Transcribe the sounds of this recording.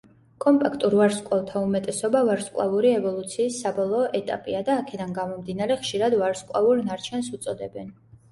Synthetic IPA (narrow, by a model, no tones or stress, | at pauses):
kʼɔmpʼakʰt̪ʼuɾvaɾskʼlavt̪ʰaumɛt̪ʼɛsɔbavaɾskʼwˠa̰vuɾiɛvɔlˠut̪sʰiːsːabɔlˠɔːʔɛt̪ʼa̰pʼiad̪aːkʰɛd̪anɡamɔmd̪inaɾɛχʃiɾad̪vaɾskʼwa̰uɾnaɾt͡ʃʰɛns̬ut̪sʼɔd̪ɛbɛn